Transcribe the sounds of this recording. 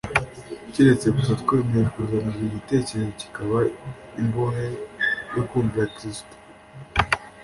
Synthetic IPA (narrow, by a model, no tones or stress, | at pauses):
ciɾe̞t͡se̞ɡutatkemekuzamuziβite̞ːce̞ɾezo̞ci̥kaβa | imboɦejokuːɱviɾakɾisto̥